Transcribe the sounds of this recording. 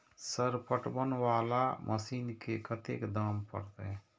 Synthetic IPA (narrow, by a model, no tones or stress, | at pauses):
səɾpəʈbənwaːlamʔəsiːnkekət̪ekd̪aːmpə̰ɾt̪ɛ